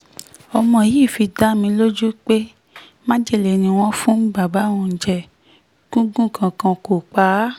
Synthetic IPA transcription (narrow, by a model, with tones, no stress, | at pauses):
ɔ˧mɔ̃˧˨ji˦˨fi˧da˦mĩ˧˦lo˦d͡ʒu˦k͡pe˦ | mã˦d͡ʒe˦˨le˨nĩ˧w̃ɔ̃˧fũ˦ba˨ba˨˦wũ˧n̩˨d͡ʒɛ˨ | ɡ̥ũ˦ɡũ˦˨kʰã˨kã˧ko˨k͡pa˨˦